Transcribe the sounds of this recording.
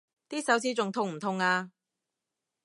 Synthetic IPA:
t̪iː˥sɐ˨˥wt͡sʰiː˧t͡sʊ˨ŋt̪ʰʊ˧ŋm̩˨˩t̪ʰʊ˨˧ŋaː˧

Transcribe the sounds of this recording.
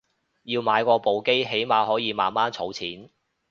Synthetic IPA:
jiː˧wmaː˨˧jkɔː˧po˨wke˥jɦe˨˥jmaː˨˧hɔː˨˥jiː˨˧ma̰ː˨nmaː˥nt͡sʰo˨˥wt͡sʰiː˨˥n

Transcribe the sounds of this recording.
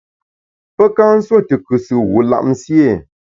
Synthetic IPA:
pə˦ka˦n̩˦swo˦˨tɨ˨kɨ˨sɨ˨wu˨la̰˦˨ʔm̩˦sje˦˨

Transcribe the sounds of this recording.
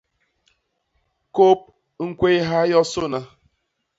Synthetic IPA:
ko˦p̚ | ŋ̩˦kʷe˦ɦa˦jɔ˦so˦na˨

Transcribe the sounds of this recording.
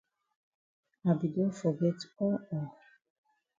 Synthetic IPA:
a˨bi˨do˦fɔ˨ɡɛ˦tɔ˦ɔ˨

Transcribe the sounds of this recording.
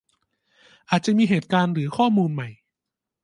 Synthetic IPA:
ʔaː˨˩t̪̚t͡ɕa˨˩miː˧ɦeː˨˩t̪̚kaː˧nɾɯː˩˦xʰɔː˥˩muː˧nma˨˩j

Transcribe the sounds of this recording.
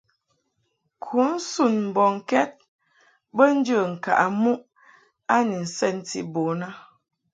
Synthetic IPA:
kʰu˨˦n̩˦su˦˨nm̩˨bɔ˨ŋ̩˨kɛ˦t̚ | bə˦n̩˦d͡ʒə˦˨ŋ̩˨ka̰˨ʔa˨mu˦ʔ | a˦ni˨n̩˨sɛ˦˨n˨tḭ˨˦bo˨na˦

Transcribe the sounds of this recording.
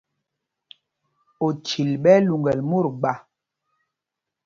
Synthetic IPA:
o˨t͡ʃi˨lɓɛ˦lu˨ŋɡɛ˨lmu˦˨ɾɡ͡ba˨

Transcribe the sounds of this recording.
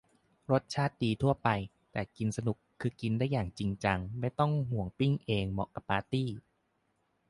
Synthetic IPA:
ɾo˦˥t̪̚t͡ɕʰaː˥˩t̪̚diː˧t̪ʰu˥˩ɐpa˧j | t̪ɛː˨˩ki˧nsa˧nu˨˩kʰːɯː˧ki˧ndaː˥˩jːaː˨˩ŋt͡ɕi˧ŋt͡ɕa˧ŋma˥˩jt̪ɔ˥˩ŋhu˨˩˦əŋpi˥˩ŋʔeː˧ŋmɔ̰˨˩ka˨˧˩pːaː˧t̪iː˥˩

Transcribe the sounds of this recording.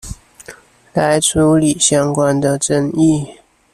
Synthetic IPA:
la˧˥ɪʈ͡ʂʰu˧˥li˨˩ɕjɑ˥ŋkwa˥nd̪ə˨ʈ͡ʂə˥ŋi˥˩

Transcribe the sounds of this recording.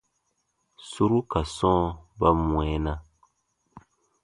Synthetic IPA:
su˦ɾu˦ka˨sɔ̃ː˦ba˦mw̃ɛ˨˦nã˦

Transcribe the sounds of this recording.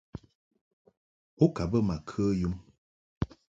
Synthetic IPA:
o˦ka˨bə˦ma˨kʰə˦ju˦m

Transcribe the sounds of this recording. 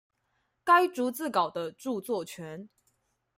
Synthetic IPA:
ka˦ɪʈ͡ʂu˧˥t͡sɹ̩˥˩kɑ˨˩ʊd̪ə˦ʈ͡ʂu˥˧t͡swɔ˥˩t͡ɕʰɥɛ˧˦˥n

